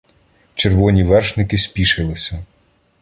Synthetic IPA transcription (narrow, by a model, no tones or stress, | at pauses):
t͡ʃeɾʋɔnʲiʋɛrʃnɪkɪsʲpʲiʃɪlˠɪsʲɐ